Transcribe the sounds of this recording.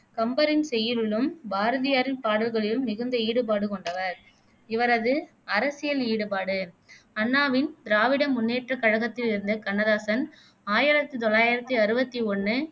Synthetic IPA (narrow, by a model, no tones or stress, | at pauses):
kɐmbɐɾɪnsɛjːɪɾɯɭɯmbaːɾɐðɪjaːɾɪnpaːɽɐlɣɐɭɪlɯmːɪɣɯnd̪ɐiːɽɯp̬aːɽɯkɔɳɖɐʋɐɾ | ɪʋɐɾɐðɯ | ɐɾɐsɪjɐliːɽɯpaːɽɯ | ɐnːaːʋɪnd̪ɾaːʋɪɽɐmːʊnːeːʈrɐkːɐɻɐɣɐt̪ːɪlɪɾɯnd̪ɐkɐnːɐðaːsɐn | aːjɪɾɐt̪ːɯt̪ɔlːaːjɪɾɐt̪ːɯɐɾɯbɐt̪ːiɔɳːɯ